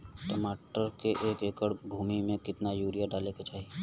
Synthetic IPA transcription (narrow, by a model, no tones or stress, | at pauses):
ʈɐmaːʈəɾkeʔeːkeːkəɽbʱuːmimẽkɪt̪najuːɾijaɖaːleket͡ʃaːɦi